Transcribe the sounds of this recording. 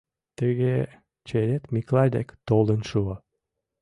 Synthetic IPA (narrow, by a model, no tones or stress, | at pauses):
t̪ə̆ɣe | t͡ɕeɾet̪mʲiklɑd̪ḛkt̪olə̆nʃuo